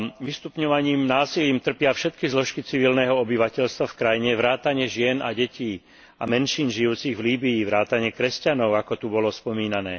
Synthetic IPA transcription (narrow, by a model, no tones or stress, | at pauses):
ʋist̪upɲɔʋaɲiːmnaːsiliːmt̪r̩pɪafʃɛt̪kizlɔʃkit͡siʋilnɛːɦɔɔbiʋacɛʎst̪ʋafkɾajiɲɛʋɾaːt̪aɲɪɛʒɪɛna̰ɟɛciː | amɛnʃiːnʒijuːt͡siɣvliːbiːʋɾaːt̪aɲɪɛkɾɛscanɔʊakɔt̪ubɔlɔspɔmiːnanɛ̰ː